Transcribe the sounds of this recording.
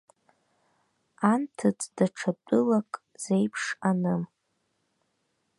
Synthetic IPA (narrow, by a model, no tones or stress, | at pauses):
antʰɨt͡sʼdaʈ͡ʂʰat͡pʼʊlakʼ | z̥ejpʰʂanɨm